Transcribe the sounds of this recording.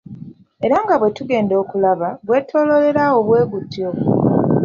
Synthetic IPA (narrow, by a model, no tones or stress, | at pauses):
e̞ɾaŋɡaβwe̞tuɡe̞ːndo̞ːkulaβaɡwe̞ːtʰo̞ːlo̞le̞ɾao̞βwe̞ːɡutːjo